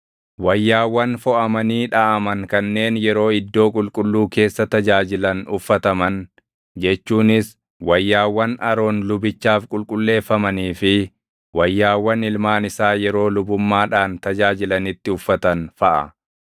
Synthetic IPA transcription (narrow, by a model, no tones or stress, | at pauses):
wɐjːaːwːɐnfɔʔɐmɐniːᶑaʔɐmɐŋkɐnːe̞ːnjɛɾo̞ːɪd̪ːo̞ːkʼʊlkʼʊlːuːke̞ːsːɐt̪ɐd͡ʒaːd͡ʒɪlɐnʊfːɐt̪ɐmɐn | d͡ʒɛt͡ʃːuːnɪs | wɐjːaːwːɐnʔɐɾo̞ːnlʊbɪt͡ʃːaːfkʼʊlkʼʊlːe̞ːfːɐmɐniːfɪ | wɐjːaːwːɐnɪlmaːnɪsaːjɛɾo̞ːlʊbʊmːaːᶑaːnt̪ɐd͡ʒaːd͡ʒɪlɐnɪt̪ːɪʊfːɐt̪ɐnfɐʔɐ̰